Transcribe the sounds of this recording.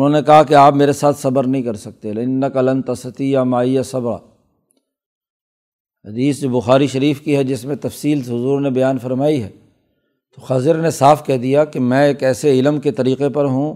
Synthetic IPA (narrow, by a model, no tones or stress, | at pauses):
ʊnɦõːnekɐɦakeaːpmeːɾesaːt̪ʰsɐbəɾnɐɦĩkɐɾsɐk̚t̪elɪnːɐkɐlɐ̃nt̪ɐsɐt̪ijamaːijasɐbɾa̰ː | ɦɐd̪iːsd͡ʒoːbʊxaːɾiʃɐɾiːfkiɦɛd͡ʒɪsmẽt̪ɐfsiːlsɦʊzuːɾnebɐjaːnfɐɾmaːiɦɛː | t̪oxaːzɪɾnesaːfkɛɦd̪ijakemɛ̃eːkɛːseɪlmket̪ɐɾiːqepɐɾɦũ